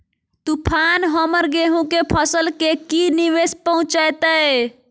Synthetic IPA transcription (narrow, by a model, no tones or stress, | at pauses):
t̪upʰanɦəməɾɡeɦũkepʰəsəlkekiniʋespəɦũt͡ʃəjt̪əe